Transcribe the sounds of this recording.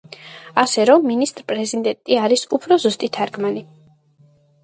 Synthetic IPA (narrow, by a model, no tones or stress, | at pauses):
asɛɾɔmːinist̪ʼɾpʼɾɛzid̪ɛnt̪ʼiaɾisupʰɾɔzust̪ʼit̪ʰaɾɡmani